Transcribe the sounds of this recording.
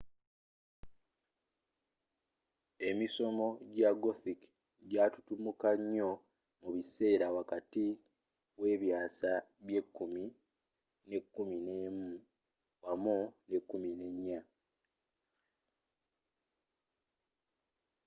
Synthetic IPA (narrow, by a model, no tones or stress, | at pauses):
e̞miso̞mo̞ɟaɡoθik | ɟatutumukaɲːo̞ | muβise̞ːɾawakati | we̞ːβjaːsaβje̞kːumi | ne̞kːumine̞mu | wamune̞kːumine̞ɲːa